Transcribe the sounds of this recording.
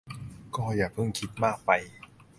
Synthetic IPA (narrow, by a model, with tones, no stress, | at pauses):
kɔː˥˩jaː˨˩k̚pʰɯ˥˩ŋkʰi˦˥t̪̚maː˥˩k̚pa˧j